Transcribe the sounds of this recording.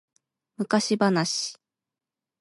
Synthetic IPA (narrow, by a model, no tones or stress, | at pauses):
mɯ̟kaɕibanaɕi̥